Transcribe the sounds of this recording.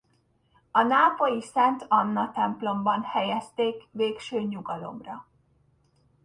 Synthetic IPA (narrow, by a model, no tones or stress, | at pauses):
ɒnaːpojisɛnt̪ɒnːɒt̪ɛmplo̞mbɒnhɛjɛst̪eːkʋeːkʃøːɲuɡɒlo̞̰mrɒ